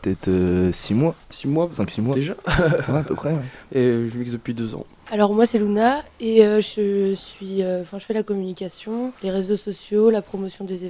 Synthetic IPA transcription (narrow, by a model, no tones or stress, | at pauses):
pət̪ɛt̪øsimwasimwasɛ̃ksimwaeʒawɛapəpχɛɛ̃eʒəmiksd̪əpɥid̪øzɑ̰̃ | alɔʁmwasɛlunaeøʒəsɥiøɑ̃fɛ̃ʒəfɛlakɔmynikʲasjɔ̃leʁezosɔsjolapχɔmɔsjɔ̃d̪eze